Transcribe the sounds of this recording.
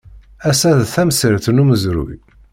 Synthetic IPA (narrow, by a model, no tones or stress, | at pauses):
æsæðθæmsəɾθənuməzɾṵj